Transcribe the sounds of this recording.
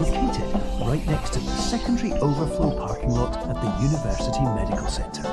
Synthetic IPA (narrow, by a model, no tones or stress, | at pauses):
loʊkʰeɪtɪd̥ɹaɪʔnɛkstʰəðəsɛkə̃ndəɹiʔoʊvə˞flɔːɹpʰɑɹkɪ̃ŋlɔtəʔ̪̚ðəjʉnɪvɜˑ˞sɪtʰiəmɛɾɪkʰəl̩ˠsɛ̰̃k̚tʰə˞